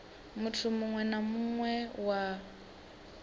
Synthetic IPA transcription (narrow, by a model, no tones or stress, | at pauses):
mutʰumuŋwɛnamuŋwɛwa